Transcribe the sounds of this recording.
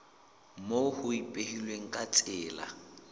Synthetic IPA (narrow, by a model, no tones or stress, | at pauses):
mohʊipʼehilweŋ̩kʼat͡sʼɪːla̰